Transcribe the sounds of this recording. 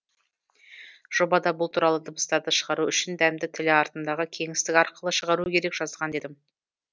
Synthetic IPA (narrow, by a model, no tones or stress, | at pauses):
ʒ̥o̞bɑd̪ɑbʊlˠt̪ʰuɾɑlˠəd̪ʊbəst̪ɑɾd̪əʃəʁɑɾuʏʃɪnd̪æmd̪ɪt̪ʰɪlɪɑɾt̪ənd̪ɑʁəkʲʰe̞ŋɪst̪ɪkɑɾqʰəlˠəʃəʁɑɾukʲʰe̞ɾe̞kʒ̥ɑzʁɑnd̪e̞d̪ɪm